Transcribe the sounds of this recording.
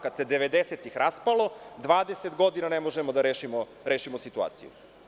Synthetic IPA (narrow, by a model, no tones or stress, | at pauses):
kad̪se̞d̪eʋed̪eset̪ixɾʔaspalo̞d̪ʋaːd̪eset̪ɡo̞d̪inanemo̞ʒemod̪aɾeːʃimo | ɾeːʃimosit̪ua̰ːt̪sijṵ